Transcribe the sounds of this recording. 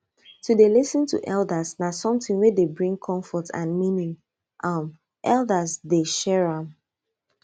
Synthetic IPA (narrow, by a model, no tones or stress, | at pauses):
tudelisə̃ntʰṵʔɛlˠdəsnasɔ̃mtĩŋwedebɹĩŋkʰɔ̃ɱfɔtʰã̰nmĩnĩŋ | ʔʌm | ʔɛlˠdəzdeʃɛɹãm